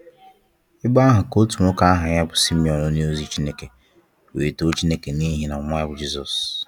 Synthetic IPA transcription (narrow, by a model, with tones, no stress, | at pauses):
ɪ˦ba˦ɦʊ˨ko˦tu˨mo˦ka˦a˦ɦa˨ɲa˦bʊ˨si˦mi˨ɔ˨no˦ni˦o˦zi˨t͡ʃi˦ne˦ke˨ | wḛ˨e˨to˦t͡ʃi˦ne˦ke˨ni˦ɦi˨na˨ma˦a˦bʊ˨d͡ʒi˦zɔ˨s